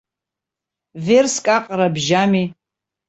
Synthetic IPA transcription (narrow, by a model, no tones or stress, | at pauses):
verskʼaqʼrabʒami